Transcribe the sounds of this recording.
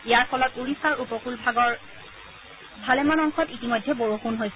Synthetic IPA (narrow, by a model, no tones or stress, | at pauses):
ijaɹfɔlɔtuɹisaɹupɔkulbaɡɔɹ | bʱalɛmanɔŋxɔtitimojdʱːɛboɹuxunɦojsɛ